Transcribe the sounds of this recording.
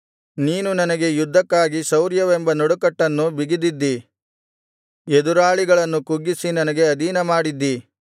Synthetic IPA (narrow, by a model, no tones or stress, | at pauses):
niːnunɐnɐɡe̞jud̪ʱːɐkːaːɡisɐwɾjɐʋe̞mbɐnɔɽukɐʈːɐnːubiɡid̪id̪ːi | ed̪uɾaːɭiɡɐɭɐnːukuɡːisinɐnɐɡe̞ɐd̪iːnɐmaːɽid̪ːi